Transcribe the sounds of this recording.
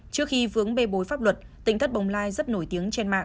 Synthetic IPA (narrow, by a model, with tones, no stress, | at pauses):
t͡ɕɨ˦˥ək̚xi˧fɨ˨˦əŋɓe˧ɓo˨˦jfaː˦˥p̚lwə˨˩t̚t̪ï˧˨ŋ̟t̪ʰt̚ɓə˨˩wŋ͡mlaː˧jzə˦˥t̚no˧˩jt̪i˨˦əŋt͡ɕe˧nma̰ː˧˨ŋ